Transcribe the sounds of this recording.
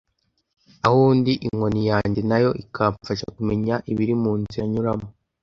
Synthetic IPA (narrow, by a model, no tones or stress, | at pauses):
ahuːndiʔiŋo̞nijaːɲɟenajo̞ʔikʰaɱfaʃa̰kume̞ɲaʔiβiɾimuːnziaɲuɾamo